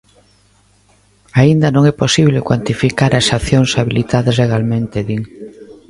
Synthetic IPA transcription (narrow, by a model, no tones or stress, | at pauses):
aind̪ɐnõŋɛposiβlekwant̪ifikaɾasaθjoŋsaβilit̪aðɐzleɣalmẽnt̪eðiŋ